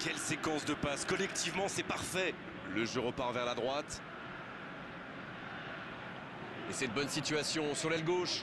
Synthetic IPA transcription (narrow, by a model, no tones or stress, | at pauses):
kʲɛlsekɑ̃sd̪əpaskɔlɛkt̪ivmɑ̃sɛpaʁfɛ | ləʒøʁəpaʁvɛʁlad̪ʁwat̪ | esɛt̪əbɔnsit̪ɥasjɔ̃syʁlɛlɡoʃ